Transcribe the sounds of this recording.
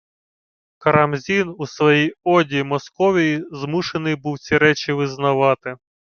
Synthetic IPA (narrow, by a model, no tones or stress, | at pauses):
kɐɾɐmzʲinusʋɔjijɔdʲimɔskɔʋʲijizmuʃenɪjbuwtt͡sʲiɾɛt͡ʃiʋɪznɐʋɑt̪ɪ